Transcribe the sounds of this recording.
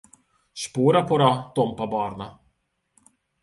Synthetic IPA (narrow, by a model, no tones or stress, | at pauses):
spoːɾapʰɔɾat̪ɔmpabɑːɾna